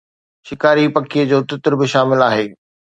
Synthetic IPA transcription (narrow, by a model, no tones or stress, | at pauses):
ʃɪkaːɾipɐkʰiəd͡ʑoːt̪ɪt̪ɾbɪʃaːmɪlaːɦeː